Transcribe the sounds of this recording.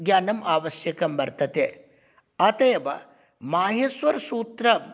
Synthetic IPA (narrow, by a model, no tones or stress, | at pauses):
ɡjaːnɐmaːʋɐsjɐkɐmbɐɾt̪ɐt̪eː | ɐt̪ɐjɐʋɐ̰ | maːɦesʋɐɾɐsuːt̪ɾɐ